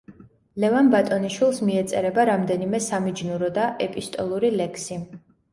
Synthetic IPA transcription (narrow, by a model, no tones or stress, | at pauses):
lɛvanbat̪ʼɔniʃwilˠsmiɛt̪sʼɛɾɛbaɾamd̪ɛnimɛsamid͡ʒnuɾɔd̪aʔɛpʼist̪ʼɔlˠuɾilɛkʰsi